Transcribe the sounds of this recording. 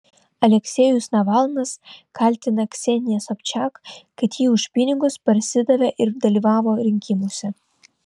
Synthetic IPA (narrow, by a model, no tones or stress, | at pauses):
ɐlʲɛkʲsʲɛjʊsnɐʋɑlˠnɐskɐˑlʲt̪ʲɪnɐksʲɛnʲɪjɛsɔpʲt͡ʃʲɑːkkɐt̪jiːʊʃʲpʲɪnʲɪɡʊspɐɾʲsʲɪd̪ɐʋʲɛʔɪɾd̪ɐlʲiːʋɑːʋoːɾʲɪŋʲkʲɪmoːsʲɛ